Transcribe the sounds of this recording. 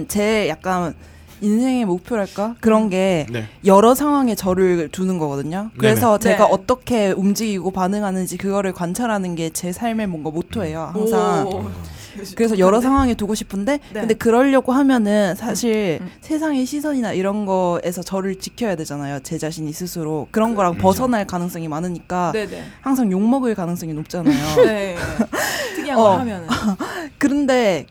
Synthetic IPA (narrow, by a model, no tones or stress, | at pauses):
nt͡ɕe̞jak̚k͈an | insʰe̞ŋe̞mok̚pʰjoɾɦaɭk͈akɯɾʌnɡe̞jʌɾʌsʰaŋɦwaŋet͡ɕʌɾɯɭtunɯnɡʌɡʌdɯɲokɯɾe̞sʰʌt͡ɕe̞ɡaʔʌt͈ʌkʰe̞umd͡ʑiɡiɡopanɯŋɦanɯnd͡ʑikɯɡʌɾɯɭkwant͡ɕʰaɾɦanɯnɡe̞t͡ɕe̞sʰaɭmemwʌnɡamotʰoɦe̞johaŋsʰaŋ | kɯɾe̞s̬ʰʌjʌɾʌsʰaŋwaŋetuɡoɕʰi̥pʰɯnde̞kkɯnde̞kɯɾʌʎːʌɡoɦamjʌnɯnsʰaɕʰiɭsʰe̞s̬ʰaŋeɕʰisʰʌɲinaiɾʌnɡʌe̞sʰʌt͡ɕʌɾɯɭt͡ɕikʰjʌjadwe̞d͡ʑanajot͡ɕe̞d͡ʑaɕʰiɲisʰɯsʰɯɾokɯɾʌnɡʌɾaŋpʌsʰʌnɦaɭkanɯŋs͈ʌŋimanɯɲik͈ahaŋsʰaŋjoŋmʌɡɯɭkanɯŋs͈ʌŋinop̚t͡ɕ͈anajo | ʌmjn | kɯɾɯnde̞